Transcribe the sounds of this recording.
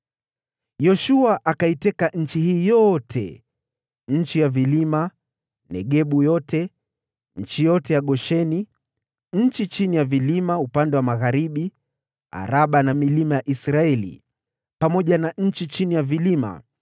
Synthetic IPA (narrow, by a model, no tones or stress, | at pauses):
jɔʃuaʔakaitɛkaɲ̩t͡ʃihiːjɔtʰɛ̰ | ɲ̩t͡ʃijavilima | nɛ̰ɠɛɓujɔtʰɛ | n̩ɲ̩t͡ʃijɔtɛjaɠɔʃɛni | ɲ̩t͡ʃit͡ʃinijavilimaupandɛwamaɣaɾiɓi | a̰ɾaɓanamilimajaʔisɾaɛlḭ | pamɔʄanaɲ̩t͡ʃit͡ʃinijavilima̰